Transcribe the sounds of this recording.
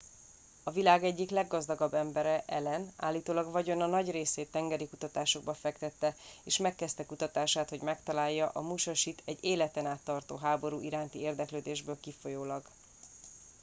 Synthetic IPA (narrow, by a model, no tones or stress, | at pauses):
ɒvilaːɡɛɟːiklɛɡːɒzd̪ɒɡɒbːɛmbɛɾɛʔɛlɛna̰ːlːiːt̪oːlɒɡvɒɟo̞nɒnɒɟreːseːt̪ːɛŋɡɛɾikut̪ɒt̪aːʃo̞ɡ̚bɒfɛkt̪ɛt̪ːɛeːʃmɛkːɛst̪ɛkut̪ɒt̪aːʃaːt̪ho̞ɟmɛkt̪ɒlaːjːɒʔɒmuʃɒʃit̪ʰɛɟeːlɛt̪ɛnaːt̪ːɒrt̪o̰ːɦaːbo̞ɾuːʔiɾaːnt̪ieːrd̪ɛkløːd̪eːʒbøːlkifo̞joːlɒɡ